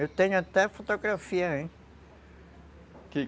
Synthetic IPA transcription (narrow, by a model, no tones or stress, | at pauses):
ewt̪ẽɲʊat̪ɛfot̪oɡɾafiɐẽ | kɪ